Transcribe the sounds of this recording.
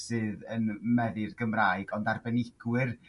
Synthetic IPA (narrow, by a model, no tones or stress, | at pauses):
sɨːðənmɛðɨrɡəmraːjɡɔndarbɛnɪɡ̥wɨr